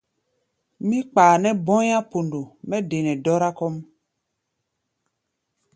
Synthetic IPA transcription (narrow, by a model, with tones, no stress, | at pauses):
mĩ˦k͡paː˨nɛ˦bɔ̃˦ja˦po˨ndo˨mɛ˦de˨nɛ˨dɔ˦ɾa˦kɔ˦m